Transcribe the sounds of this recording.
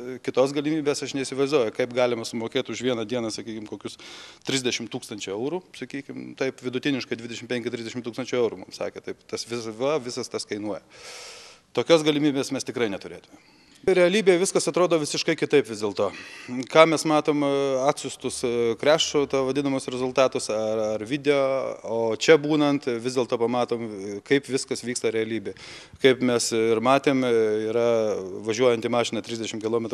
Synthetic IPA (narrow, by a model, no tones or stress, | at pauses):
kʲɪt̪oːs̬ɡɐlʲɪmʲiːbʲeːsɐʃnʲɛisʲɪʋɐɪzd̪uɔjʊkɐɪpɡɑːlʲɪmɐsʊmoːkʲeːt̪ʲʊʃʋʲiɛnɐd̪ʲiɛnɐsɐkʲiːkʲɪmkoːkʲʊst̪ʲɾʲɪzʲd̪ʲɛʃʲɪmt̪uːkst̪ɐnʲt͡ʃʲʊɛʊɾusɐkʲiːkʲɪmt̪ɐɪpʋʲɪd̪ʊt̪ʲɪnʲɪʃkɐɪd̪ʲʋʲɪdʲɛʃɪmpʲɛŋʲkʲɪt̪ʲɾʲɪzʲd̪ʲɛʃʲɪmt̪uːkst̪ɐnʲt͡ʃʲʊɛʊɾumʊmsɑ̰ːkʲeːt̪ɐɪpt̪ɐsʋʲɪsʋɐʋʲɪsɐst̪ɐskɐɪnuɔjɛ | t̪oːkʲoːsɡɐlʲɪmʲiːbʲeːsmʲɛst̪ʲɪkɾɐɪnʲɛt̪ʊɾʲeːt̪ʊmʲɛ | ɾʲɛɐlʲiːbʲeːjɛʋʲɪskɐsɐt̪ɾoːd̪oːʋʲɪsʲɪʃkɐɪkʲɪt̪ɐɪpʋʲɪzd̪ʲeːlˠt̪oːkɑːmʲɛsmɑːt̪oːmɑːt̪ʲsʲʊst̪ʊskɾʲæːʃtot̪ɐʋɐd̪ʲɪnɐmʊsɾʲɛzʊlˠt̪ɑːt̪ʊsɐɐrʋʲɪd̪ʲɛoːoːt͡ʃʲɛbuːnɐnt̪ʋʲɪzd̪ʲeːlˠt̪oːpɐmɑːt̪oːmkɐɪpʋʲɪskɐsʋʲiːkst̪ɐɾʲɛɐlʲiːbʲeː | kɐɪpmʲɛsɪɾmɑːt̪ʲeːmiːɾɐʋɐʒʲuɔjɛnt̪iːmɑːʃʲɪnɐt̪ʲɾʲɪzʲd̪ʲɛʃʲɪmkʲɪlˠoːmʲɛt̪